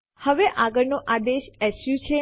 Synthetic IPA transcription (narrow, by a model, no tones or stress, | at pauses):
həʋeʔaɡəɭnoʔad̪eʃɛsjũt͡ʃʰe